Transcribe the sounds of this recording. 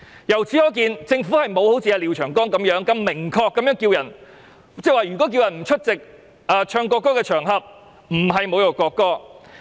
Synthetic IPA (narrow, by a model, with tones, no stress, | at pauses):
jɐ˨˩wt͡siː˨˥ɔː˨˧k̬iː˧nt͡sɪ˧ŋfuː˨˥hɐ˨jmo˨˧who˨˥wt͡si˧jaː˧li˨wt͡ʃʰœː˨˩ŋkɔː˥ŋkɐ˨˧mjœː˨˥ŋkɐ˧mːɪ˨˩ŋkʰɔː˧kːɐ˨˦mjœː˨˥ŋkiː˧wjɐ˨˩n | t͡sɛː˥˩waː˨˩jyː˨˩kɔ˨˥k̬iː˧wjɐ˨˩nm̩˨˩t͡ʃʰɵ˥t̚t͡sɪ˨k̚ | aː˨˧t͡ʃʰœː˧ŋkɔː˧kːɔː˥kɛ˧t͡ʃʰœː˨˩ŋɦɐ˨p̚ | m̩˨˩ɦɐ˨jmo˨˧wjɔ˨˩kɔː˧kːɔː˥